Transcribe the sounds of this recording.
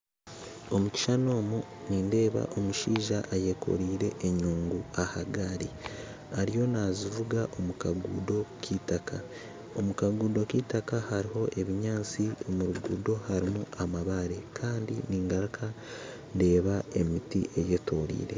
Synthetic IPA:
o̞muci̥ʃano̞ːmu | niːnde̞ːβa̰ʔo̞muʃiːʒaʔaje̞kʰo̞̰ɾiːɾe̞ʔːɲuːŋɡuahaɡaɾi | aɾijo̞nazivuɡaʔo̞mukaɡuːdo̞kʰitakʰa | omukaɡuːdo̞kiːtakahaɾiɦo̞ʔe̞βiɲaːt͡siomuɾuɡuːdo̞haɾimuamaβaɾe̞kʰaːndiniːŋɡaɾkʰa | nde̞ːβae̞mitḭʔe̞je̞ːto̞ɾḭːɾe̞̰

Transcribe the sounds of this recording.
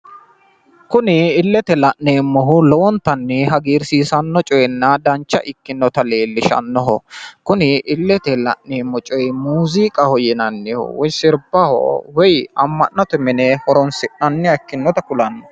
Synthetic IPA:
kʊnɪːlːɛt̪ɛlɐʔnːeːmːɔɦʊlɔwɔnt̪ːɐnːɪɦɐɡiːɾsiːsɐnːɔt͡ʃʼɔjɛnːɐd̪ɐnt͡ʃːɐ̰ʔɪkːɪnːɔt̪ɐle̞ːlːɪʃɐ̰nːɔɦɔkʊnɪʔɪlːɛt̪ɛlɐ̰ʔneːmːɔt͡ʃʼɔjmuːziːkʼɐhɔjɛnɐnːɪhʊ̰wɔjsɪɾbɐhɔ̰wɛjɐmːɐnːɐt̪ʊmɪnɛhɔɾɔnsɪʔɐnːɪɐkːɪnːɔt̪ɐkʊlɐnːɔ

